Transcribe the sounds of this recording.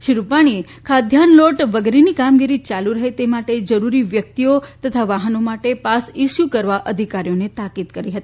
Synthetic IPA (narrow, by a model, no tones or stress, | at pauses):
ʃiɾupaɽ̃iekʰad̪ʱjanloʈʋəɡɾinikamɡiɾit͡ʃaluɾəɦet̪emaʈed͡ʒəɾuɾiʋjək̚t̪iot̪ət̪ʰaʋaɦənomaʈepasiʃjukəɾʋaʔəd̪ʱikaɾijonet̪akid̪kəɾiɦət̪ii